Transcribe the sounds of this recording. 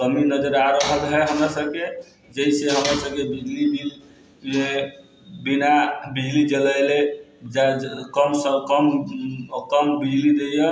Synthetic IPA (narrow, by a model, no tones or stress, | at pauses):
kəminəd͡ʒəɾaɾəɦəlɦɛɦəmɾasəb̚ke | d͡ʒəɦiseɦəmɾasəb̚kebid͡ʒlibi | e | binabid͡ʒlid͡ʒələjled͡ʒakəmsəkəm | kəmbid͡ʒlid̪ejə